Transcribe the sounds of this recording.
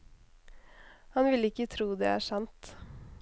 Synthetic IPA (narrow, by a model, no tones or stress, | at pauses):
hɑnʋɪləɪkːət̪ʰɾuːd̪ɛ̰ːæ̰ːʂɑnt̪